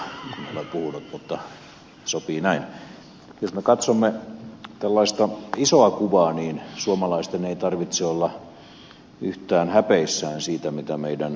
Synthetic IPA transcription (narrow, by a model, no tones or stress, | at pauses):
kuneolepuhunut̪mut̪ːɑ | sopiːnæin | josmekɑt̪somːet̪ælːɑist̪ɑisoɑkuʋɑːniːnsuomɑlɑist̪eneit̪ɑrʋit̪seolːɑ | yht̪æːnhæpeisːæːnsiːt̪æmit̪æmeidæn